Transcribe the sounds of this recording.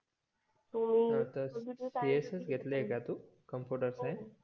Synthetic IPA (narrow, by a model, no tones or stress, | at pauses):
t̪umnət̪əiesəsɡʱet̪leːkat̪u | kəmpjuʈəɾsãj